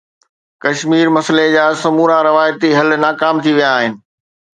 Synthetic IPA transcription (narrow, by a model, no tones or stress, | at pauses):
kɐʃmiːɾmɐsled͡ʑaːsɐmuːɾãɾɪʋaːjt̪iɦɐlnaːkaːmt̪ʰiʋijaːɦɪnɪ̆